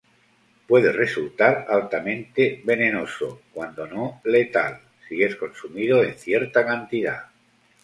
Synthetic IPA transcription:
pwe̞ðe̞result̪aɾalt̪amẽnt̪eβe̞nenoso̰kwand̪o̞nole̞t̪a̰l | sie̞sko̞nsumiðo̞enθje̞ɾt̪akant̪iða̰

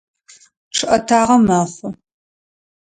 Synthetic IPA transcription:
ʈ͡ʂʰɨʔɐtʰaːʁɐmaːχʷʊ

